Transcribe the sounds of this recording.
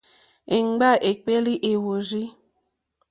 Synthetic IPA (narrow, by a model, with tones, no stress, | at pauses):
e˨ŋ͡mɡ͡ba˦ʔe˨k͡pe˦li˦ʔe˨wo˨ɾi˦